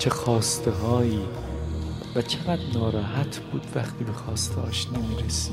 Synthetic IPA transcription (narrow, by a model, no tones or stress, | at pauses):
t͡ʃʰexɒːst̪eɦɒːiː | væt͡ʃʰe̞ɣæd̪nɒːɾɒːɦæt̪ʰb̥uːd̪væxt̪ʰiːbe̞xɒːst̪ʰeɒ̰ːʃnemiːɾesi